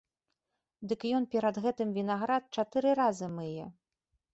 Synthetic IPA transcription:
d̪ɨkjɔnpʲɛɾad̪ɣɛt̪ɨmvʲinaɣɾat̪̚t͡ʂat̪ɨɾɨɾazɨmɨjɛ

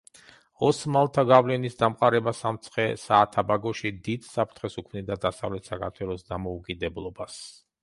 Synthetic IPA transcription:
ɔsmalˠt̪ʰaɡavlɛnisd̪amqʼaɾɛbasamt̪sʰχɛsaːt̪ʰabaɡɔʃid̪id̪̥sapʰt̪ʰχɛsukʰmnid̪ad̪asavlɛt̪ʰsakʰaɾt̪ʰwɛlˠɔsd̪amɔukʼid̪ɛblˠɔbas

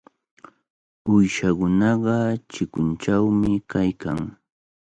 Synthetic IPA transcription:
ʊjʃakʊnɑɢɑt͡ʃɪkʊnt͡ʃawmɪkajkaŋ

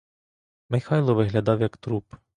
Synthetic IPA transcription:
mɪxɑjlˠɔʋɪɦlʲɐd̪ɑwjɐkt̪ɾup

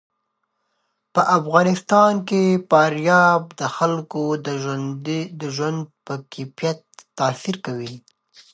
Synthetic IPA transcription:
pəʔafɣɑnɪst̪ɑnkepɑɾjɑb̚d̪əxalkod̪əd̪d̪əʒwand̪̚pəkʰipjat̪ːɑsiɾkawi

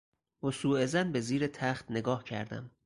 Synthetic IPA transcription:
hosuːezænbeziːɾet̪ʰæχt̪ne̞ɡɒːhcʰæ̰ɾd̪æ̰m

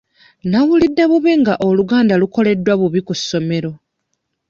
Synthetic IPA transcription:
naβulidːeβuβeŋɡaʔo̞luɡaːndaluko̞le̞dːwaβuβikusːo̞me̞ɾo̞

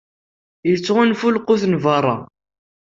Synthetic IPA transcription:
jət͡sːʁinfulqʊθnvərˤːɑ̰

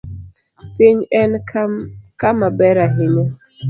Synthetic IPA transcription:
pɪɲɛn | kamabɛɾaɦɪɲo

